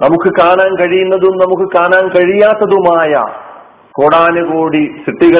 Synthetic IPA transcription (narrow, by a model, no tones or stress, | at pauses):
nɐmukːɨkaːnaːnkɐɻijunːɐðumnɐmukːɨkaːnaːnkɐɻijaːt̪ːɐðumaːjɐ̰ | koːɽaːnɐɡoːɽisʰit̪ːiɣɐ